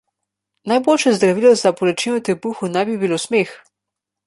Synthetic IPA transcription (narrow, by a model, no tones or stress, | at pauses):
najboːlʃɛzd̪ɾaʋiːlɔzapɔlɛt͡ʃinɔt̪ɛpuxunɛjbibilosmex